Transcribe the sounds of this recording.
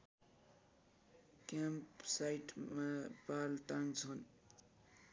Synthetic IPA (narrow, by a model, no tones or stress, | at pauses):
kjampsajʈmapalʈaŋɡt͡sʰʌn